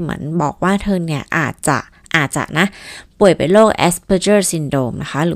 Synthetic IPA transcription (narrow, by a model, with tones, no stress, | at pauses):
mɯ̰˦ənbɔ̰ː˨˩k̚waː˥˩t̪ʰɤː˧ŋni˥˩ɐʔa̰ː˨˩t̪̚t͡ɕa̰˨˩ʔ | ʔaː˨˩t̪̚t͡ɕa̰˨˩ʔna˦˥ʔpu˨˩əjpa˧jloː˥˩k̚ʔɛ̰˦˥spʰə˧˥t͡ɕɤː˥˩si˧ndoː˧mna˦˥kʰa˦˥ɾɯː˨˦